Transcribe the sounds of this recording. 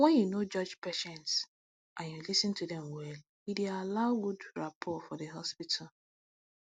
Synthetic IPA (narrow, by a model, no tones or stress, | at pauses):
wɛ̃njunod͡ʒɔd͡ʒpeʃɛ̃nts | ʔãnjulisɪ̃ntudɛ̃mwɛl | idialaʊɡudɹapʰɔtfɔdəɦɔspitʰal